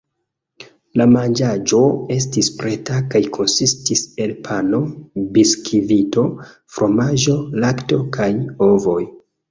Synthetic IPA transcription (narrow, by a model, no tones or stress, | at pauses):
lamand͡ʒad͡ʒo̞e̞stispɾe̞takajkʰo̞nsistise̞lpʰano̞biskʰivito̞ | fɾʔo̞maʒo̞lakto̞kajo̞vo̞j